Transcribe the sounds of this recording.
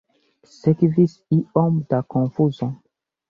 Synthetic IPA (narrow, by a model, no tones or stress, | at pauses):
sɛkivisiɔmd̪akɔ̃fuzɔ̃